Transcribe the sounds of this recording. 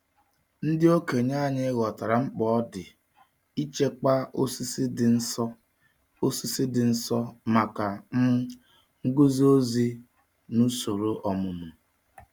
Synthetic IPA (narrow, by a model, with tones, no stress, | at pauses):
n̩˦dɪ˦o˦ke˨ɲa˦˨ɲe˦ɣɔ˨ta˨ɾa˨ŋ͡m̩˦k͡pɔ˦ɔ˦dɪ˨ | i˦t͡ʃe˦k͡pa˦o˦si˦si˦dn̩˦sɔ˦ | o˦si˦si˦dɪ˨n̩˦sɔ˦ma˨ka˨m̩˦ | ŋ̩˦ɡu˦zi˦o˦zi˦ | nu˦so˨ɾo˦ʔɔ˨mʊ˨mʊ˨